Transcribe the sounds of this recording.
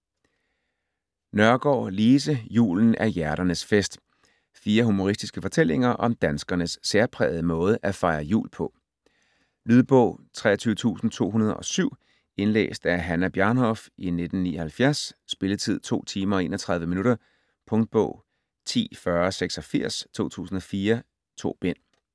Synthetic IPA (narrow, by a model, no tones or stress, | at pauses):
nɶɐɡ̥ɒ̰ːliːs̬əjṵːln̩ʔæɐjæɐɾɐnəsfesd̥ | fiːɐɦumo̝ʁisd̥isɡ̥əfɒ̽t͡sʰel̰e̝ŋɐʔɒ̽md̥ænsɡ̥ɐnəsːeɐpʰʁɛ̰ːð̩ˠəmɔ̽ːð̞ˠəʔæfɑ̈ɪɐjṵːlpʰɒ̽ | lyːð̞ˠb̥ɔ̰̽ʊ̰t͡sʰʁɛ̰ːɐt͡sʰyːʊət͡sʰṵːsn̩t͡sʰo̝̰ːɦunɐð̞ˠɒ̽syʊ̰ | e̝nlḛːsd̥æɐɦænæb̥jɑnɦɒ̽fʔine̝d̥n̩nḭːɒ̽hælfjæɐsːb̥e̝lət͡sʰið̞̰ˠt͡sʰo̝̰ːt͡sʰiːmɐɒ̽e̝̰ːnɒt͡sʰʁɑ̈ð̞ˠʋəminuɾ̥ɐ | pʰɔ̽ŋd̥̚b̥ɔ̰̽ʊ̰ | t͡sʰḭːfɶɐseɡ̥sɒ̽fiɐ̰st͡sʰo̝̰ːt͡sʰṵːsn̩ɒ̽fiːɐ | t͡sʰo̝̰ːb̥en̰